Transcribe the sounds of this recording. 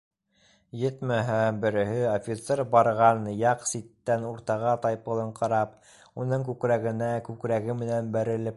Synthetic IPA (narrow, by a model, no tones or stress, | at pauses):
jɘt̪mæɦæbɘ̆ɾɘ̆hɘofʲit̪seɾbɑɾʁɑnjɑqsit̪ːænuɾt̪ɑʁɑt̪ɑjpɤ̆lˠɤ̆ɴqɑɾɑp | unɤŋkʉkɾæɡɘ̆nækʉkɾæɡɘmɘ̆nænbæɾɘ̆lɘp̚